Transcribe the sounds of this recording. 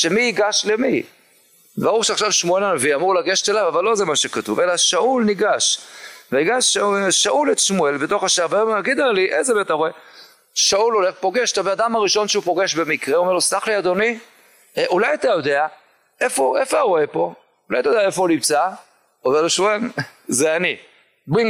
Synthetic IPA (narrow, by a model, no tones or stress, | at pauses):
ʃemiiɡaʃlemi | baʁuʁʃeaχʃavʃmue̞lanaviamuʁlaɡe̞ʃt̪elavavalːo̞zemaʃekatuve̞laʃaʔulniɡaʃveiɡaʃʃaʔuletʃmue̞lbeto̞χaʃaʁveoaɡid̪aliʔezebetaʁoe̞ | ʃaulo̞le̞χpo̞ɡe̞ʃt̪abead̪amaʁiʃo̞nʃeupo̞ɡe̞ʃbe̞mikʁeuome̞losaχliad̪o̞ni | ʔulajat̪ajo̞d̪e̞a | efo̞ʔefoaʁo̞epo̞ | ulajat̪ajd̪aefoulimt͡sa | oveʁloʃmue̞lzeani | biŋ